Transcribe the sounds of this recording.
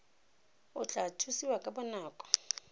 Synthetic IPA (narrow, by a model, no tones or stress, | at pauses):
ʊt͡ɬʼatʰusiwakʼabɔnaːkʼɔ̥